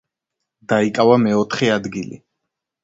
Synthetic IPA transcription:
d̪̥aikʼavamɛɔt̪ʰχɛad̪ɡilḭ

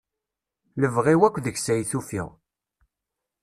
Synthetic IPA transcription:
ləvʁiwækʷːðəçsæjθufḭʁ

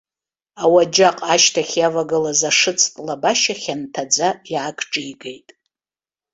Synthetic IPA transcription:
awad͡ʒaqʼaʃtʰaχʲjavaɡalazaʂɨt͡sʰtʼlabaʃaχʲantʰad͡zajaːkʼʰʈ͡ʂʼijɡejtʼ

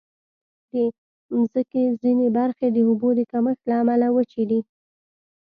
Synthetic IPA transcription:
d̪e | mzəkezinebaɾxed̪əʊbod̪əkaməxlaːmalawət͡ʃed̪i

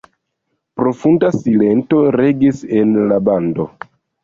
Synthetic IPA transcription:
pɾo̞fundasile̞nto̞ɾe̞ɡise̞nlabando̞

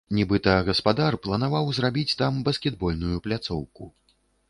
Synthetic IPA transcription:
nʲɛbɨt̪ɐɣɐspad̪arplˠɐnavawzrabʲit͡sʲt̪ambɐskʲɛd̪̚bɔlʲnujuplʲat̪sɔwkṵ

